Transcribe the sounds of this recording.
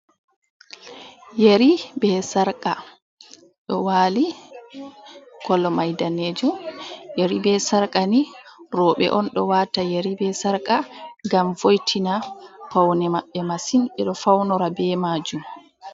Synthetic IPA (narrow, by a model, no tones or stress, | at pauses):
jeɾibɛsaɾkʼa | ɗɔwaːli | ɡ̥ɔlːɔmajdaneːd͡ʒumjeɾibɛsaɾkʼaniɾɔɓɛ̰ʔɔnɗɔwatajeɾibɛsaɾkʼaɡamvojtʰinapawnɛmaɓːɛmasinɓɛɗɔfawnɔɾabɛmaːd͡ʒum